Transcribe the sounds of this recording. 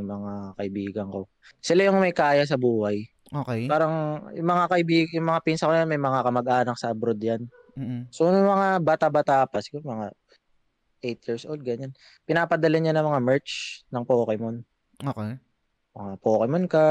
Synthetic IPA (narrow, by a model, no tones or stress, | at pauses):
ʊŋmɐŋakɐʔɪbiːɡɐŋko̞ | sɪlajʊŋmɐjkaːjɐs̬ɐbuːhaj | oːkɛpaːɾɐŋjʊŋmɐŋakɐʔɪbiːɡjʊŋmɐŋapinsɐkojanmɐjmɐŋakɐmɐɡ̚ʔaːnɐk̚sɐʔɐbɾod̪jan | sonʊŋmɐŋabat̪abat̪apɐsɪɡomɐŋa | ʔejt̪̚jiːɹsʔowld̪̚ɡɐɲan | pɪnaːpɐd̪ɐlaɲanɐŋmɐŋamɛɹt͡ʃnɐŋpoːkɛmon | okɛ | mɐŋapoːkɛmonka